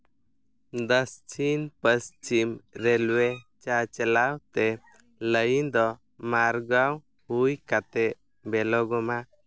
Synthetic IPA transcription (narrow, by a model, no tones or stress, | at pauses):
d̪əst͡ʃinpəst͡ʃimɾɛlwɛt͡ʃat͡ʃɛlawt̪ɛ | ləjind̪ɔ | maɾɡaw | hujkat̪ɛʔ | bɛlɔɡɔma